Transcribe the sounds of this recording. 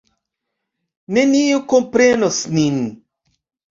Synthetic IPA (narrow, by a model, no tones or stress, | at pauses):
neniukompɾenosnin